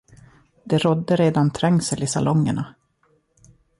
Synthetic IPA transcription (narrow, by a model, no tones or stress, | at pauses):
d̪ɛɾɔd̪ːəɾeːd̪ant̪ʰɾɛŋsəlɪsa̰lɔŋːə̰ɳa